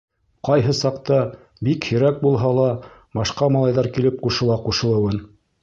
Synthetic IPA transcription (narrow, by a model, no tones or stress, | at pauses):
qɑjɦɤsɑqt̪ɑ | bikhɵ̆ɾæk̚bulˠɦɑlˠɑ | bɑʃqɑmɑlˠɑjðɑɾkilɘp̚quʃɤ̆lˠɑquʃɤ̆lˠɤ̆wɤn